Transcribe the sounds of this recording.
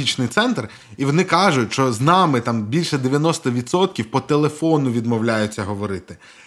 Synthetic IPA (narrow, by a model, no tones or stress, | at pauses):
it͡ʃnɪjt̪sɛnt̪r | iʋɔnɪkɑʒʊtʲʃt͡ʃɔznɑmɪt̪ɑmbʲilʲʃɛd̪eʋʲjɐnɔst̪ɐʋʲit̪sɔt̪̚kʲiwpɔt̪elˠefɔnʊʋʲid̪mɔwlʲajʊtʲt͡sʲːɐɦɔʋɔɾɪt̪ɪ